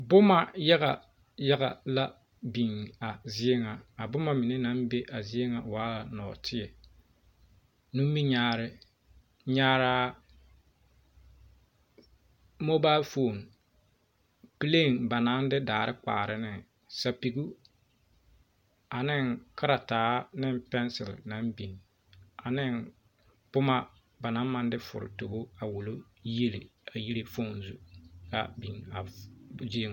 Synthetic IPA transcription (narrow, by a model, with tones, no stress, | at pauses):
bʊ˦ma˨ja˦ɣa̰˨ | ja˦ɣa̰˨la˦ | bi˨ŋa˨zɪ˦e˦ŋa˨a˨bʊ˦ma˨mɪ˨nɪ˦na˨˦mbe˦ʔa˨zɪ˦e˦ŋa˨waː˨˦la˨nɔ̰ː˨tʰɪ˦ɛ˨ | nu˦i˦ɲaː˦ɾɪ˦ | ɲaː˦ɾaː˦ | mo˦baː˦fo˨ŋ | pi˦le˦˨nba˨na˦ndɪ˦daː˨ɾɪ˦k͡pa̰ː˨ɾɪ˦nɪ˨ | sa˨pi˨ɡu˦ | a˨nɪ˦ŋka˦ɾa˨taː˨˦nɪ˦mpɛ˦nsɪ̰˨lna˨˦mbi˨n | a˨nɪ˦n | pʊ˦ma˦ | ba˨na˨˦ma˦ndɪ˦fʊ̰˨ɾɪ̰˨to˨bo˦a˨wu˨lo˦ | je˦lḛ˨a˨ji˦le˦fo˦˨nzu˨˦ka̰˦bi˨na˨d͡ʒi˦ŋ˨